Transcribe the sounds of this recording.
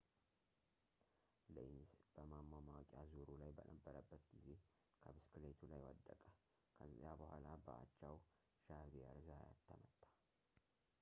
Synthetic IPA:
ləinzb̥əmamːamawkʼjazuɾulajbənəbːəɾəbːət̪ɡize̞ | kʰəbɨskɨlet̪ʰulajwəd̪ːəkʼə | kʰəzːjabəhʷalabəa̰t͡ʃːaw | ʃahbəɾzaa̰t̪ʰːəmət̪ʼːḁ

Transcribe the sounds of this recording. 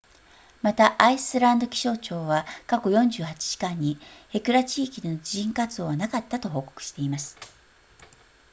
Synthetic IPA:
mat̪aʔaisɨɾãnd̪o̞kʲi̥ɕo̞ːt͡ɕo̞ːβakako̞jõ̞ɲ̟d͡ʑɨːhat͡ɕi̥ʑ̥i̥kãɲ̟ːie̞kɯ̟ɾat͡ɕiːkʲid̪e̞no̞d͡ʑiʑĩŋkat͡sɨoːβanakat̪ːat̪o̞ɦo̞ːko̞̥kɯ̟̥ɕi̥t̪e̞imasɨ̥

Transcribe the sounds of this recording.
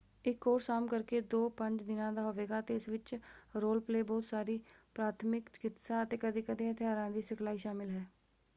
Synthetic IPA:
ɪkːoːɾsaːmkəɾkeːd̪oːpəɲd͡ʒd̪ɪnãːd̪aːɦoːʋeːɡaːət̪eːɪsʋɪt͡ʃɾoːlpleːbɔːt̪saːɾiːpɾaːt̪ʰmɪkkɪt̪saːət̪eːkəd̪eːkəd̪ẽːət̪ɪaːɾãːd̪iːsɪkʰlaːiːʃaːmɪlɦɛː

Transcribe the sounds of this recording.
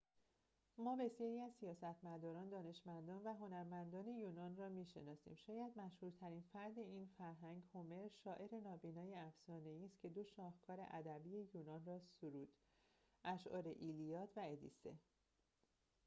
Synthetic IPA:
mɒːbe̞sjɒːɾiːæzsijɒːsæt̪ʰmæd̪ɒːɾɒːnd̪ɒːne̞ʃmænd̪ɒːnvæɦo̞næɾmænd̪ɒːne̞juːnɒːnrɒːmiːʃe̞nɒːsḭːmʃɒːjæd̪mæʃhuːɾt̪ʰæɾinfæɾd̪e̞iːnfæɾɦæŋɡhome̞ɾʃɒːʔe̞ɾe̞nɒːbiːnɒːjeæfsɒːne̞iːst̪cʰe̞d̪o̞ʃɒːhkʰɒːɾe̞̰ʔæd̪æbiːje̞juːnɒːnrɒːsoɾuːd̪̥ | ʔæʃʔɒ̰ːɾeʔilijɒːt̪ʰvæed̪ḭsḛ

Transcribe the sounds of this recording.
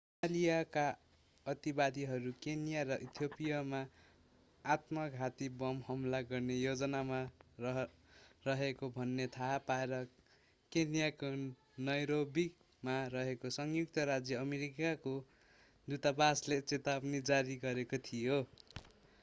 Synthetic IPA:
alijaka | ʌt̪ibad̪iɦʌɾukenijaɾʌʔit̪ʰjopijʌmaː | t̪mʌkɦat̪ibʌmhʌmlaɡʌrnejod͡zʌnama | rʌɦekobʱʌnːet̪ʰapaeɾʌ | kenijako | nʌjɾobi | marʌɦekosʌŋjuk̚t̪ʌɾad͡zjʌːmeɾikako | d̪ut̪abaslet͡set̪abnid͡zaɾiɡʌɾekot̪ʰijo

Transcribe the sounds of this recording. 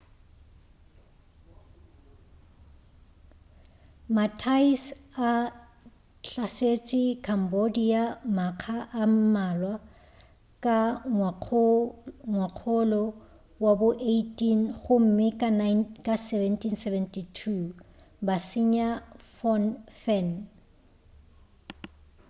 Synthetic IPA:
matʰaisa | ɬaset͡ʃʼɪkʰambodiamaq͡χʰaʔam̩malwa | kʼa | ŋwaq͡χʰolɔ | wabʊʔeitʼinχʊm̩mɪkʼannkʼasɛvɛntʰinsɛvɛntʼitʰu | basɪɲafɔnfɛn

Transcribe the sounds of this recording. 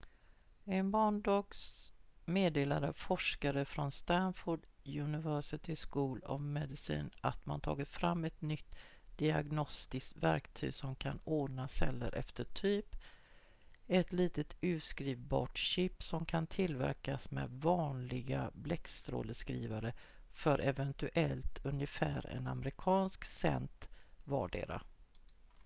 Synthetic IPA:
ɛnbɑːɳɖɑːɡsmeːd̪eːlaɾəfɔʂkaɾəfɾɔnst̪anfʊɖ | jɵnɪvœsɪt̪ʰɪskuːlɔ̰vmɛd̪ɪsḭːnʔat̪mant̪ʰɑ̰ːɡɪt̪fɾamːɛt̪nʏt̪ː | d̪̥ɪaɡnɔst̪ɪst̪væ̰ɾkt̪ʰy̰ːɡsɔmkʰanoːɖnasɛlːə̰ɾʔɛ̰ft̪əʈʰyːp | ɛt̪liːt̪ət̪ʉ̟ːskɾiːvbɑ̰ːʈɕɪpːsɔmkʰant̪ʰɪlvæ̰ɾkasmɛ̰d̪vɑːnlɪɡablɛkst̪ɾo̰ːləskɾiːvaɾə | fœɾʔɛvɛnt̪ɵʔɛlt̪ɵnjəfæːɾɛ̰na̰mɾɪkʰɑːnsksɛ̰nt̪vɑːɖḛːɾa̰

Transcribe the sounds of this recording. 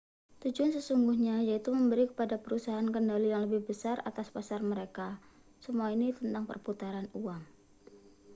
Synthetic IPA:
t̪ud͡ʒuansəsuŋɡuhɲajait̪uməmbəɾikə̥padapəɾusaɦaankəndalijaŋləbɪhbəsara̰t̪aspasarməɾeka | səmuainit̪ənt̪aŋpə̰rput̪aɾanuaŋ

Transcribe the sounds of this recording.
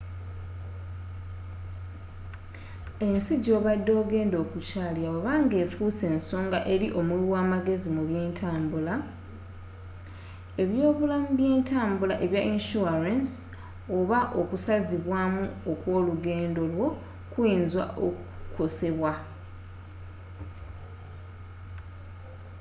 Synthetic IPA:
e̞nsiɟo̞ːβadːo̞ːɡe̞ːndo̞ːkucaːliawoβaːŋɡe̞ːfuːse̞ːnso̞ːŋɡaʔe̞ɾiʔo̞mwilwaːmaɡe̞zimuβjeːntʰaːmbula | e̞βjo̞ːβulamuβje̞ːntʰaːmbulaʔe̞βjaʔinʃuaɾans | o̞βaʔo̞kusaziβwaːmuokwo̞ːluɡe̞ːndo̞lwo̞ | kwiːnzwa̰ʔoku̥kose̞βwa

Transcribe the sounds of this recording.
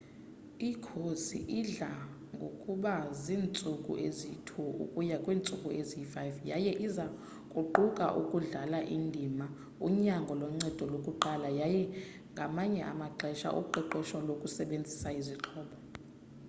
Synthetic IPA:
ikʰosḭʔiɮa | ŋɡʱokʼuɓaziːnt͡sʼukʼṵʔezitʰuṵkʼujakʼwiːnt͡sʼukʼuezifajvjajɛʔiza | kʼuǃukʼa̰ʔukʼuɮalaʔindʱima | uɲaŋɡʱɔlɔŋ͡ǀɛd̥ʱɔlokʼuǃalajajɛ | ŋɡʱamaɲɛʔa̰maǃɛʃa̰ʔṵǃɛǃɛʃɔlokʼusɛɓend͡zʱisaiziǃʰɔːɓɔ

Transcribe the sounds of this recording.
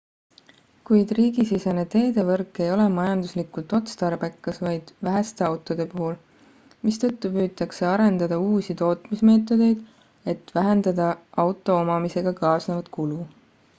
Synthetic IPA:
kujd̪̥riːɡisisene̞t̪e̞ːd̪e̞vɤrkːˑe̞jo̞lemɑjɑnd̪̥uslikult̪ˑo̞t̪st̪ɑɾbækːɑsvɑjd̪̥væɦæst̪e̞ɑwt̪ˑo̞d̪̥e̞puɦul | mist̪ɤt̪ːupyːt̪ːˑɑkse̞ɑɾe̞nd̪̥ɑd̪ɑuːsit̪o̞ːt̪ˑmisme̞ːt̪ːˑo̞d̪̥e̞jd̪̥ | e̞t̪væɦend̪̥ɑd̪̥ɑʔɑwt̪ːˑo̞omɑmise̞ɡ̥ɑkɑːsnevɑt̪kulu

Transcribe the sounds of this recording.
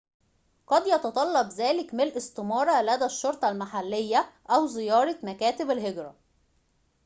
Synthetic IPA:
qɑd̪jɑt̪ɑt̪ˤɑlːɑbzæːlɪkmɪlʔɪst̪ɪmɑːɾˤɑlæd̪æʃːoɾˤt̪ˤɑlmaħalːejːæʔæwzɪjɑːɾˤɑmækæːt̪ɪbælɦeɡɾæ̰

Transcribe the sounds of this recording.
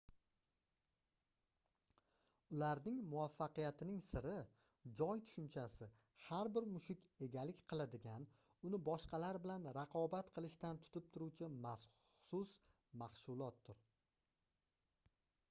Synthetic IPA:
ʊlaɾnɪŋmʊafːaqɨjat̪ʰɪnɪŋsɪɾɪ | d͡ʒɒjt̪ʰʊ̥ʃʊnt͡ʃʰasɪ | haɾbɪɾmʊʃɪkʲe̞ɡʲalɪkʲqʰɨlˠad̪ɪɡʲan | ʊnɪbɒʃqɑlaɾbɪlanɾaqʰɒbat̪qʰɨlˠɪʃt̪ant̪ʰʊ̥t̪ʰɪp̚t̪ʰʊɾuwt͡ʃʰɪmas | ʊsʊs | maχsʊlˠɒt̪ːʊɾ

